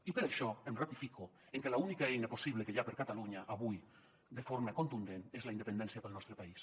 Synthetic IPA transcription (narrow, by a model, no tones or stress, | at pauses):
ipeɾaʃɔemrat̪ifiko | eŋkelaunikaejnaposiβlekeʎapeɾkat̪aluɲaʔaβuj | d̪efoɾmakont̪und̪enezlaind̪epend̪ɛnsjapelnɔst̪ɾepais